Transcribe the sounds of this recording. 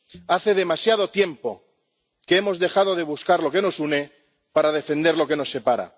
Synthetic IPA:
aθe̞ðe̞masjað̞o̞t̪je̞mpo̞ | keemo̞zðe̞xað̞o̞ðe̞β̞uskaɾlo̞ke̞no̞sune̞ | paɾað̞e̞fe̞nd̪eɾlo̞ke̞no̞sːe̞paɾa̰

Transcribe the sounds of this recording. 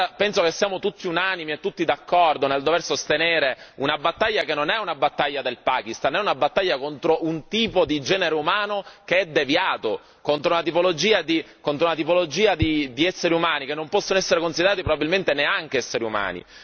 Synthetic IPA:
apɛnsokesːjaːmot̪ut̪ːiunanimiet̪ːut̪ːid̪akːɔrd̪oneld̪oversost̪eneːɾeunabat̪ːaʎːakenːonɛunabat̪ːaʎːad̪elpaːkist̪anːɛunabat̪ːaʎːakont̪ɾoʔunt̪iːpod̪id͡ʒɛːneɾeumaːnokeɛd̪ːevjaːt̪o | kont̪ɾounat̪ipolod͡ʒiːad̪i | kont̪ɾounat̪ipolod͡ʒiːad̪id̪iɛsːeɾiumaːnikenːompɔsːonoɛsːeɾekonsid̪eɾaːt̪ipɾobabilment̪eneaŋk̟eɛsːeɾiuma̰ːnḭ

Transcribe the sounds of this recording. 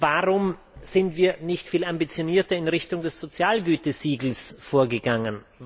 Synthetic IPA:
vaʁʊm | z̥ɪntv̥iːɐnɪçtfiːlambit͡sjoniːɐtɐɪnʁɪçtʊŋdɛsz̥ot͡sjaːlɡyːtəz̥iːɡl̩sfoːɐɡəɡaŋən

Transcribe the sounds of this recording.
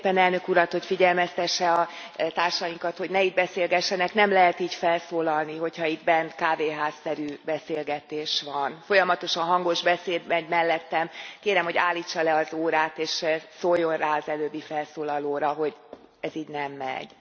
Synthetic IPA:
pɛnɛlnøkuɾɒt̪ho̞cfiɟɛlmɛst̪ɛʃːɛɒt̪aːrʃɒjiŋkɒt̪ho̞ɟnɛid̪̚bɛseːlɡɛʃːɛnɛknɛmlɛɦɛt̪iːcfɛlsoːlɒlniɦo̞chɒid̪bɛnkaːveːɦaːsːɛɾyːbɛseːlɡɛt̪eːʃʋɒnfo̞jɒmɒt̪o̞ʃɒnɦɒŋɡo̞ʒbɛseːd̪mɛɟmɛlːɛt̪ːɛmkeːɾɛmho̞ɟa̰ːlːit͡ʃːɒlɛɒzoːɾaːt̪eːʃsoːjːo̞nraːɒzɛløːbːifɛlsoːlɒloːɾɒɦo̞ɟ | ɛziːɟnɛmːɛ̰ɟ̥

